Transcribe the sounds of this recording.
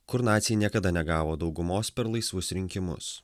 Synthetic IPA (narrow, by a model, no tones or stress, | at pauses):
kʊɾnɑːt̪sʲɪjɛnʲiɛkɐd̪ɐnʲɛɡɑːʋoːd̪ɒʊɡʊmoːspʲɛɾlˠɐɪsʋʊsɾʲɪŋʲkʲɪmʊ̰s